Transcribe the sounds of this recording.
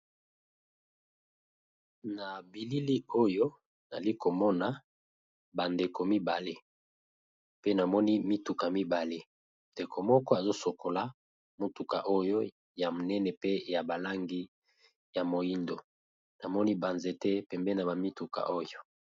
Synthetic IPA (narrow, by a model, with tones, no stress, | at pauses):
na˨bi˨li˦li˦o˦jo˦ | na̰˨li˦ko˨mɔ˦na˨ | ba˨nde˨ko˨mi˦ba˨le˦ | pe˦na˨mɔ˦ni˦mi˦tu˨ka˨mi˦ba˨le˦ | nde˨kʰo˨mɔ˦kɔ˦a˨zo˦so˨ko˨la˨ | mo˦tu˨ka˨ʔo˦jo˦ | ja˨mo˨nɛ˦nɛ˨pe˦ja˨ba˨la˦ŋɡi˦ | ja˨mo˨i˦ndo˨ | na˨mɔ˦ni˦ba˨nze˨tɛ˦pɛ˨mbɛ˦na˨ba˨mi˦tu˨ka̰˨ʔo˦jo˦